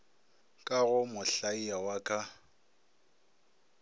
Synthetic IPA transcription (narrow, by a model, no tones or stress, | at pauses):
kʼaɣʊmʊɬaiawakʼa